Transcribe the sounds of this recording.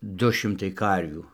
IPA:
ˈdʊ ˈʃʲɪmtɐɪ ˈkɐrʲʋʲuː

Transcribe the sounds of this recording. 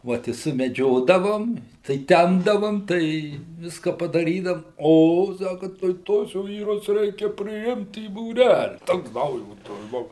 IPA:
ˈʋoːt ɪ sʊmʲɛˈd͡ʒʲoːdɐʋoːm tɐɪ ˈtʲɛmbdɐʋoːm tɐɪ ˈʋʲɪskɐ pɐdɐˈrʲiːdɐm ˈoː ˈsɑːkɐ tɐɪ ˈtuɔs ˈʋʲiːrʊs ˈrʲɛɪkʲɛ pʲrʲɪˈɪmt iː buːˈrʲælʲɪ ˈtoːks ˈdɐʊjoːtɐs ˈbʊʋʊ

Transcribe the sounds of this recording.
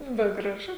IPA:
bʲɛt ɡrɐˈʒʊ

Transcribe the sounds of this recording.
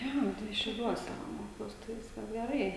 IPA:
ˈjoː tɐɪ ʃʲɛʊˈlʲuɔsʲɛ ˈmoːkʲɛʊs tɐɪ ˈʋʲɪskɐs ɡʲɛˈrɐɪ

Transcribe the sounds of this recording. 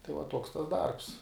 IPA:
tɐɪ ʋɐ ˈtuɔks tɐs ˈdɐrps

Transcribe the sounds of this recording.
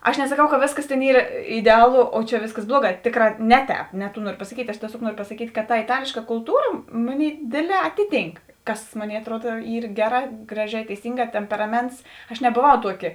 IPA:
ɐʃ nʲɛsɐˈkɐʊ kɐ ˈʋʲeːsˌkɐs tʲeːn ˈiːr ɪdʲɛˈɑːlˠoː oː t͡ʃʲɛ ˈʋʲeːsˌkɐs ˈblˠuɔˌɡɑː ˈtʲeːˌkrɑː ˈnʲɛ ˌtʲɛːp nʲɛ tuː ˈnuɔrʲoː pɐsɐˈkʲiːtʲ ɐʃ tʲiɛˈsʲoːk ˈnuɔrʲoː pɐsɐˈkʲiːtʲ kɐt tɐ ɪˈtɑːlʲeːʃkɐ kʊlˠˈtuːrɐ ˈmoːˌnʲeːɪ ˈdʲeːdʲˌlʲɛː ˈɑːtʲɪˌtʲiːŋk ˈkɐs ˈmoːˌnʲeːɪ ɐtˈruɔt ˈiːr ˈɡʲæːˌrɑː ˈɡrɑːˌʒʲɛː tʲɛɪˈsʲiːŋˌɡɑː ˈtʲɛmʲpʲɛrɐˌmʲɛnts ɐʃ nʲɛboːˈʋɐʊ ˈtuɔˌkʲɪ

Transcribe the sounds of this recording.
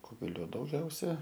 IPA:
ˈkʊɡʲɛlʲoː dɐʊˈɡʲɛʊsʲɛ

